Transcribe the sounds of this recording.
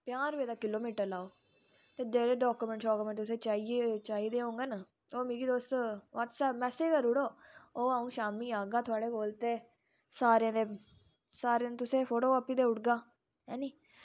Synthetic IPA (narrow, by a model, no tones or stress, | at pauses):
pɪjaːɾʋeːd̪aːkɪloːmiːʈəɾlaːoː | t̪eːd̪eːɾeːɖɔːkumɛ̃ɳʈsɔːkːmẽɳʈ̪ʊsẽːt͡ʃaːiːet͡ʃaːiːd̪eːɦõːŋɡenə | oːmeːɡiːd̪oːst̪ʋaʈsɛːpmɛːseːkəɾʊɽoːoːaːũːʃaːmiːaːɡaːt̪ʰʊaːɽeːkoːlt̪eː | saːɾãːd̪eː | saːɾeãːt̪ʊsẽːpʰoːʈoːəpːiːd̪eːʊʈɡaː | ɦɛːniː